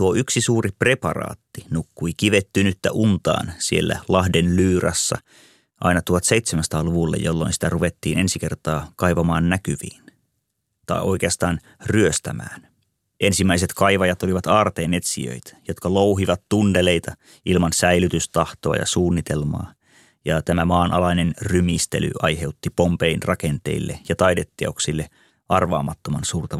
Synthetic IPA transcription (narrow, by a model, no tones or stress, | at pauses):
t̪uoyksisuːripre̞pɑrɑ̰ːt̪ːinukːuik̟iʋet̪ːynyt̪ːæʔunt̪ɑ̰ːnsielːæ̰lɑhdenlyːrɑ̰sːɑ̰ | ʔɑ̰inɑt̪uɑt̪se̞jt̪semænsɑ̥t̪ɑːluʋulːḛjolːo̞̰insi̥t̪æruʋet̪ːiːnʔe̞nsik̟e̞rt̪ɑːkɑjʋɑmɑːnːækyʋḭːn | t̪ɑ̰iʔo̞ik̟eɑst̪ɑːn | ryøst̪æmæ̰ːn | ʔensimːæiset̪kɑiʋɑjɑt̪oliʋɑt̪ɑːrt̪eːne̞t̪sḭø̰it̪æ̥jot̪kɑlouɦiʋɑt̪tundele̞it̪ɑ | ilmɑnsæilyt̪yst̪ɑht̪oɑ̰jɑ̰suːnːit̪elmɑ̰ː | jɑt̪æmæmɑːnʔɑlɑinenrymist̪ely̰ɑjɦe̞ut̪ːipompeinrɑkent̪e̞̰ilːejɑt̪ɑjdet̪ːiɑ̰ksilːe | ʔɑrʋɑ̰ːmɑt̪ːomɑnsuːrt̪ɑ